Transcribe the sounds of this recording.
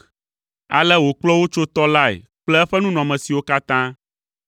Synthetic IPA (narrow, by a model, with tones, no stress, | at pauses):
a̰˨lɛ˦wo˨k͡plɔ˦wo˦t͡ʃo˦t̪ɔ˦la˦ḛ˨k͡plɛ˦ɛ˦ɸɛ˦nũ˦nɔ̃˨mɛ̃˨si˨wo˦ka˦t̪ã˦